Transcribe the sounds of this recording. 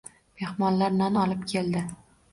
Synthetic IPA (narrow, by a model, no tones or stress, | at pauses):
m̥e̞hmɒnlaɾnanɒlˠɪpkʲʰe̞ld̪ɪ